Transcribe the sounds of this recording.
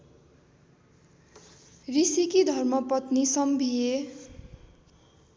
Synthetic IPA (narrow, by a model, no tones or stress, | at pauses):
risikid̪ʱʌrmʌpʌt̪nisʌmbʱije